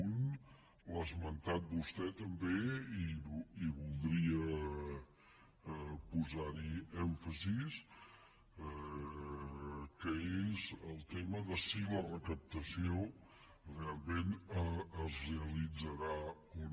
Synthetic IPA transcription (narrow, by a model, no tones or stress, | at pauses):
n | lazmənt̪at̪̚bust̪ɛt̪əmbeiiβulˠd̪ɾiə | puzaɾiɛɱfəzis | ɛ | kəezəlˠt̪eməðəsilərəkəp̚t̪əsio | realˠmẽnəzreəlid͡zəɾa | un